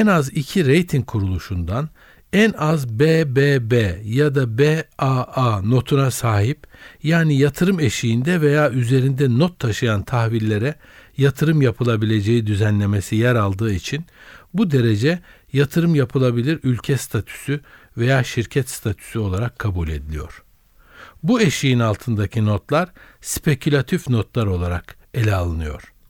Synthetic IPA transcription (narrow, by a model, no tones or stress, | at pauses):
ɛnazicʰiɾejt̪ʰiŋkʰuɾulˠuʃund̪an | ænazbeːbeːbejad̪abeaano̞t̪ʰunasaːɦipjaːnijat̪ʰɯɾɯme̞ʃijind̪ɛve̞jaːyze̞ɾind̪ɛnot̪ʰːaʃɯjant̪ʰaxvilʲːe̞ɾɛ | jat̪ʰɯɾɯmjapʰɯlˠabilʲe̞d͡ʒe̞jid̪yzænlʲe̞me̞sijæɾalˠd̪ɯːit͡ʃʰinbud̪e̞ɾe̞d͡ʒɛ | jat̪ʰɯɾɯmjapʰɯlˠabilʲiɾylʲcʰɛst̪ʰat̪ʰy̥sy | ve̞jaːʃiɾcʰɛt̪st̪ʰat̪ʰy̥syo̞lˠaɾakʰːabulʲe̞d̪ilʲḭjo̞̰ɾ̥ | bue̞ʃijinalˠt̪ʰɯnd̪acʰino̞t̪lˠaɾ̥spʰe̞cʰylʲat̪ʰifno̞t̪lˠaɾo̞lˠaɾak | e̞lʲɛalˠɯnɯjo̞̰ɾ̥